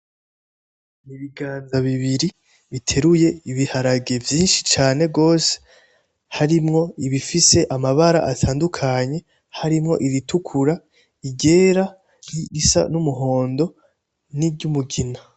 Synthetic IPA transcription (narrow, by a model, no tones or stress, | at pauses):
niβiɡaːnzaβiβiɾi | βitʰe̞ɾuje̞iβihaɾaɡe̞vjiːnʃi̥t͡ʃaːne̞ɡo̞ːse̥ | haɾimŋo̞iβifise̞ʔamaβaɾa̰ʔatʰaːndukʰaɲe̞ | haɾimŋo̞̰ʔiɾitukʰuɾa | iɟe̞ːɾa | iɾisa̰numuɦo̞ːndo̞ | niɟumuɡina